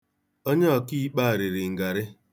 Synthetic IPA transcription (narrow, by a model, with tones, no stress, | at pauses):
o˦ɲe˦ɔ˨ki˦k͡pa˦a˨ɾɪ˨ɾɪ˨ŋ̩˨ɡa˨ɾɪ˦